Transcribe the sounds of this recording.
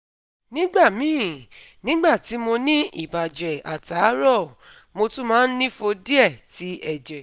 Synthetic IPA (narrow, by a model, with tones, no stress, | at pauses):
nĩ˦ɡ͡ba˦˨mĩ˨˦˨ | nĩ˦ɡ͡ba˦˨ti˨˦mo˧nĩ˦ḭ˦˨ba˨d͡ʒɛ˨a˨ta˨˦ɾɔ˦˨ | mo˧tũ˦mãː˦˧˦n̩˦nĩ˦fo˧di˦ɛ˦˨ti˨˦ʔɛ˦˨d͡ʒɛ˨